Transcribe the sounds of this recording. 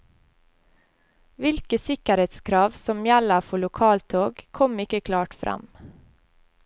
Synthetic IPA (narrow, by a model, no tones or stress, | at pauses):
ʋɪlkəsɪkəɾeːt̪skʰɾɑːʋsɔmjæləfɔɭʊkʰɑːlt̪ʰoːɡkʰɔmɪkəkʰlɑːʈfɾʔɑ̰m